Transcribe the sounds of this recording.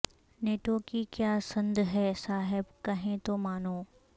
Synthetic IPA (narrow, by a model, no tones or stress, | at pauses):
neːʈokikjaːsɐ̃nd̪ʱɦɛsaːɦɪbkɐɦẽt̪omaːnoː